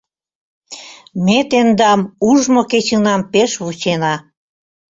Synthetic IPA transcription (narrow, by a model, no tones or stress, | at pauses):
met̪end̪ɑmuʒmoket͡ɕənɑmpeʃβut͡ɕenɑ